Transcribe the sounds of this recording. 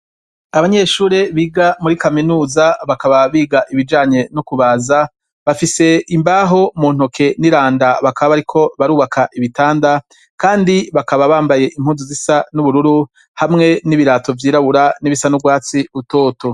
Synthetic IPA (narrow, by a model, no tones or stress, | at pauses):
aβaɲeʃuːɾe̞βiːɡamuɾikaminuːzaβakaβaβiːɡaʔiβid͡ʒaːɲe̞nokuβaːza | βafise̞imbaɦo̞muːn̥hokʰe̞niɾaːndaβakaβaβaɾikʰo̞βaɾuːβakʰaʔiβitaːnda | kaːndiβakaβaβaːmbaje̞ʔim̥huːnzuzisanuβuɾuɾu | hamŋe̞niβiɾaːto̞vjiːɾaβuɾaniβisanubɡwaːt͡siuto̞ːto̞